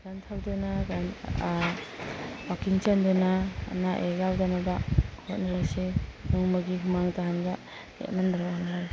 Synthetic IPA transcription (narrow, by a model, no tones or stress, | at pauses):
ɡ̥antʰawdanaɡan | wakiŋt͡ʃandana̰naʔeɡawdanabahot̚naɾasenɯŋmaɡiɦumaŋtaɦanɡa | ḛt̚nandaɾaanaɾa